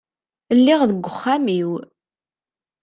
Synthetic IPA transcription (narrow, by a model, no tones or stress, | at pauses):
əlːɪʁðəɡʷːəχːamiw